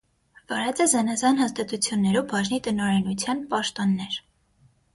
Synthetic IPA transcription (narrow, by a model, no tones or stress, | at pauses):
vɑɾɛt͡sɛzɛnɑzɑnhɑst̪ɑt̪ut͡sʰjunːɛɾubɑʒnit̪ənɔɾɛnut͡sʰjɑnpɑʃt̪ɔnːɛɾ